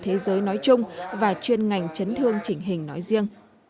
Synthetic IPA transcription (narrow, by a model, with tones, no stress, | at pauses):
t̪ʰe˨˦zəː˨˦jnɔ˨˦jt͡ɕʊ˧ŋ͡mvaː˨˩t͡ɕwi˧ənŋa˨˩jŋ̟t͡ɕə˨˦nt̪ʰɨ˧əŋt͡ɕï˧˩ŋ̟ɦï˨˩ŋ̟nɔ˨˦jzi˧əŋ